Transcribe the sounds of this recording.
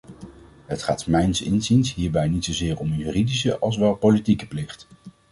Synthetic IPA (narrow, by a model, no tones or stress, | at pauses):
ɦətχaːtmɛjnsɪ̰nzinsɦiːɹbɛjnitsowzɪːɹɔmjyːridisə̰ʔɑlˠs̬ʋɛlˠpolitikə̥plɪχt